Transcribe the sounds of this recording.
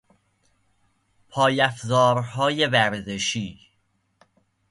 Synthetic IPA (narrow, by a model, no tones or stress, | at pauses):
pʰɒːjæfzɒːɾhɒːjevæɾzeʃiː